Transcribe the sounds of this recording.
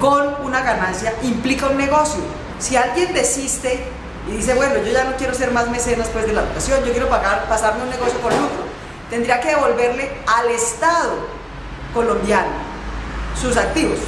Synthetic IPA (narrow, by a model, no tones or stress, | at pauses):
ko̞nunaɣanãnsjaimplikaunːe̞ɣo̞sjo | sialɡje̞nd̪e̞sist̪e̞ | iðis̬e̞βwe̞no̞ʝo̞ʝano̞kje̞ɾo̞se̞ɾmazmesend̪espwe̞zd̪e̞laðukasjo̞nd͡ʒo̞kjeɾopaɣaɾpasaɾme̞unːe̞ɣo̞sjokonut̪ɾo | t̪e̞nd̪ɾiake̞ðeβo̞lbe̞ɾle̞alest̪aðo | ko̞lõ̞mbjano̰ | sus̬ak̚t̪iβos